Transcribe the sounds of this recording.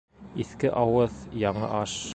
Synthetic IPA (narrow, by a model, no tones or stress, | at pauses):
iθkɘʔɑwɤðjɑɴɤ̰ʔɑʃ